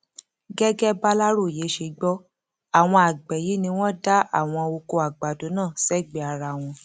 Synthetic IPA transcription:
ɡɛ˦ɡɛ˦ba˦la˦ɾo˦˨je˨˦ʃe˧ɡ͡bɔ˦ | a˦˨w̃ɔ̃˧a˨ɡ͡bɛ˨ji˨˦nĩ˧w̃ɔ̃˦da˦a̰˦˨w̃ɔ̃˧o˧ko˧a˨ɡ͡ba˨do˨˦nã˦˨sɛ˦˨ɡ͡bɛ˨˦a˧ɾa˧˨w̃ɔ̃˧

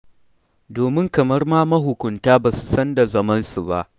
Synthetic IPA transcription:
doː˨mɪ˦ŋkɐ˨mɐ˦rmaː˦mɐ˦ɦʊ˨kʷʊ˨ntaː˦baː˨su̥˨sɐ˦nda˨zɐ˦mɐ˦nsu˨ba̰˦ʔ

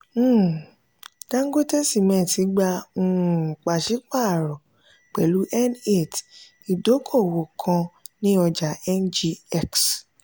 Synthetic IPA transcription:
ɡã˦ŋ̩˦ɡo˦te˦si˦˨mɛ̃ː˨ti˨˦ɡ͡ba˧ũ˧˨k͡pa˨ʃi˨˦k͡pa˦˨ɾɔ˨ | k͡pɛ˨lu˨˦ʔɛ˦ne˦˨t | i˨do˨˦kʰo˦˨wo˨kʰã˧nĩ˦ɔ˧d͡ʒa˨ɛ˦nd͡ʒi˧ɛ˦ks

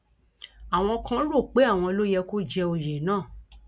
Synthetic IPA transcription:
a˨w̃ɔ̃˧kã˦ɾo˦˨k͡pe˨˦a˦˨w̃ɔ̃˧o˧lo˦jɛ˧ku˦d͡ʒɛ˧o˧jɛ˨˦nãː˦˨

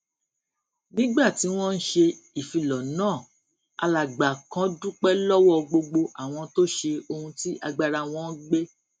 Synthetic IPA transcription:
nĩ˦ɡ͡ba˦˨ti˨˦w̃ɔ̃˦n̩˦ʃe˧i˨fi˨˧lɔ˨nãː˦˨ | a˧la˨ɡ͡ba˨kã˦du˦k͡pɛ˦lɔ˦wɔ˦˧ɡ͡bo˧ɡ͡bo˧ʔa˨w̃ɔ̃˧to˦ʃe˧o˧hũ˧ti˦ʔa˧ɡ͡ba˧ɾa˧w̃ɔ̃˦ɡ͡be˦

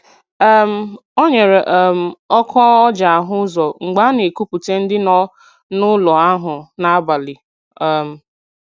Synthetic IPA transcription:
m̩˦˨ | o˦ɲe˨ɾe˨ʔɛ˦m̩˨ɔ˦kʰɔ˦ɔ˦d͡ʒa˨a˨ɦʊ˦zɔ˨ŋ͡m̩˨ɡ͡ba˨˦ne˨ku˦pu˨te˦n̩˦dɪ˦nɔ˦ | nʊ˦lɔ˨a˦ɦʊ˨na˦a˦ba˨li˨ | ɛ˨m̩˨

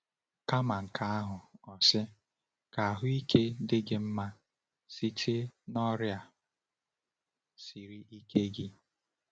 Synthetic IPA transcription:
ka˦ma˨ŋ̩˨kʰa˦a˦ɦʊ˨ɔ˨sɪ˦ | ka˨a˨ɦʊ˦i˦ke˦dɪ˦ɡɪ˨m̩˦ma˦ | si˦tʰɪ˦nɔ˦ɾja˨ | si˨ɾi˦ʔi˦ke˦ɡɪ˦

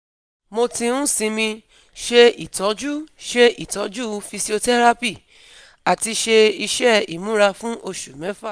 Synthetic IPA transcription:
mo˧tĩ˧ũ˦sĩ˧mĩ˧ | ʃe˧i˨tɔ˨˦d͡ʒu˦ʃe˧i˨tɔ˨˦d͡ʒu˦fi˧si˦o˧tɛ˦ɾa˦pi˦˨ | a˨ti˧ʃe˧i˧ʃɛ˦ḭ˨mũ˨˦ɾa˧fũ˦ʔo˧ʃu˨mɛ̃˨˦fa˦˨

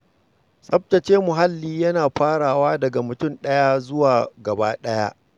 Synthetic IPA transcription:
sʼɐ˦p̚tɐ˨t͡ʃeː˦mʊ˨ɦa˦lːiː˦jɐ˦naː˨ɸaː˦ɽaː˨waː˦dɐ˨ɡa˨mʊ˨tʊ˦˨nɗɐ˦ja˦zʊ˦waː˨ɡɐ˨ba̰ː˦ɗɐ˦ja̰˦ʔ

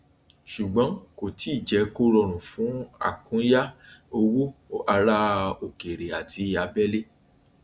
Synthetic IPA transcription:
ʃu˨ɡ͡bɔ̃˨˦ko˨ti˨˦i˦˨d͡ʒɛ˨˧˦ko˦ɾɔ˧˨ɾ̃ũ˨fũ˨˦a̰˦˨kũ˨˦ja˦o˧wo˦a˧ɾa˦o˨ke˨ɾe˨a˨ti˨˦ja˨˦bɛ˦le˦

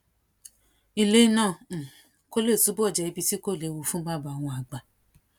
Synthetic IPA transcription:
i˧le˦nãː˦˨ | ko˦le˦˨su˨˦bu˦ɔ˦˨d͡ʒɛ˧˨i˧bi˧ti˦ko˦˨le˨˧˦wo˧fũ˦ba˦˨ba˧˨w̃ɔ̃˧a˨ɡ͡ba˨

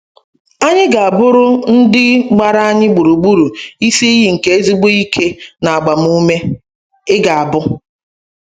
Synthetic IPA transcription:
a˦ɲɪ˦ɡa˨a˨bʊ˦ɾʊ˦n̩˦dɪ˦ɡ͡ba˦ɾa˦a˦ɲɪ˦ɡ͡bu˨ɾu˨ɡ͡bu˦ɾu˨i˦si˦i˦ɦi˦ŋ̩˨ke˨e˦zi˦ɡ͡bo˦i˦kʰe˦na˨a˨ɡ͡ba˨m̩˦u˦me˦ | ɪ˦ɡa˨a˨bʊ˦

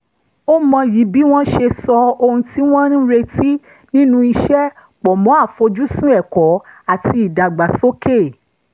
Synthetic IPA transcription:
o˦mã˧ji˨˦bi˦w̃ɔ̃˦ʃe˧sɔ˧o˧hũ˧ti˦w̃ɔ̃˦ɾĩ˦ɾe˧ti˦ | nĩ˦nũ˧i˧ʃɛ˦ | k͡pɔ˨mɔ̃˨˦a˦˨fo˧d͡ʒu˦sũ˦ɛ˦˨kɔ˨˦a˦˨ti˧i˨da˨ɡ͡ba˨so˦ke˦˨

